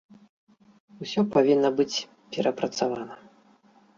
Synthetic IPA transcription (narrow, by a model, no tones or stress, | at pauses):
usʲɔpavʲinːɐbɨt͡sʲ | pʲɛɾɐpɾɐt̪savanɐ